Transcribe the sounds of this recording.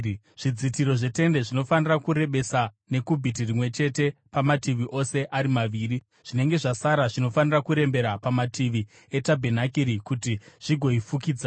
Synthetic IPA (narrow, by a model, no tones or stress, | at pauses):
ʐ̥id͡zitiɾo̞ʐe̞te̞nde̞ʐino̞fanirakuɾe̞ɓe̞sa | ne̞kubʱit̬irimwe̞t͡ʃe̞te̞pamatiʋiʔo̞se̞ʔaɾimaʋiːri | ʐ̥ine̞ŋɡe̞ʐasaɾaʐino̞fanirakuɾe̞mbe̞ɾapamatiʋi | e̞tabʱenakiɾikutiʐ̥iɡʱo̞ifukiːd͡za